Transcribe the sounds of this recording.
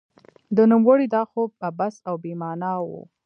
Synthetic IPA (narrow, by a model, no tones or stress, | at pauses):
d̪ənumɣəɽid̪ɑxob̚abasawbemɑnɑwṵ